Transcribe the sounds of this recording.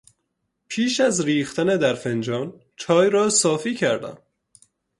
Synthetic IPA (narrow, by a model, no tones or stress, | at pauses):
pʰiːʃæzɾiːxt̪æned̪æɾfend͡ʒɒːn | t͡ʃʰɒːjɾɒːsɒːfiːcʰæɾd̪æ̰m